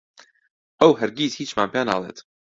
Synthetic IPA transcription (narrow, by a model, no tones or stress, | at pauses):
ʔəwɦɐɾɡiːzhiːt͡ʃmaːnpʰaːna̰ːlˠḛːt̪